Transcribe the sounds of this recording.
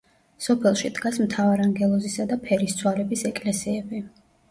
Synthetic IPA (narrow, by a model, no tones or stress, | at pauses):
sɔpʰɛlˠʃid̪ɡasmt̪ʰavaɾaŋɡɛlˠɔzisad̪apʰɛɾist̪sʰwalɛbisɛkʼlɛsiɛbi